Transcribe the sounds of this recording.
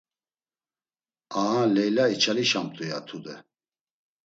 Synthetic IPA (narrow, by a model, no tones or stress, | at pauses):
aɦalɛjlait͡ʃʰaliʃamt̪ʼujat̪ʰud̪ɛ